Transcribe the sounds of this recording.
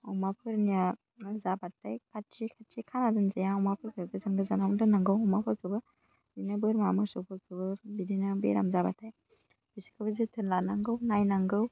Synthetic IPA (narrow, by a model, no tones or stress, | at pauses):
ɔwmapʰɯɾnija | zabatajkʰaikʰatʰikʰanadɯnzajaŋɔwmapʰɯɾkʰɯɡɯzamɡɯzanawndɯnaŋɡɯwɔwmapʰɯɾkʰɯbɯ | binɯbɯɾmamɯsopʰɯɾkʰɯbɯbidinɯbḛɾa̰mzabataj | bisi̥kʰɯbɯzitʰɯnlanaŋɡɯwnajnaŋɡɯw